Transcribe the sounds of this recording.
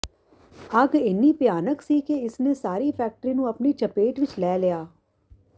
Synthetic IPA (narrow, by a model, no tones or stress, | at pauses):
əɡɪnːiːpɪjaːnəksiːkeɪsnẽːsaːɾiːpʰɛːk̚ʈəɾiːnũːəpniːt͡ʃəpeːʈʋɪt͡ʃlɛːlɪjaː